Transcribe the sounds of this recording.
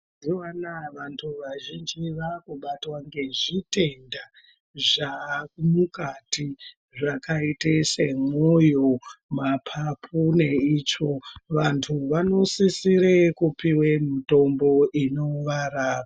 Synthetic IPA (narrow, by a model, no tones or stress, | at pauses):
ndiwanaʋantʰuʋaʒind͡ʒiʋakuɓatwaŋɡe̞ʐite̞nda | ʐakumukati | ʐakaitesemo̞jomapʰapʰune̞it͡ʃo̞ʋantʰuʋano̞sisiɾekupiwemito̞mbo̞ʔino̞ʋaɾaːa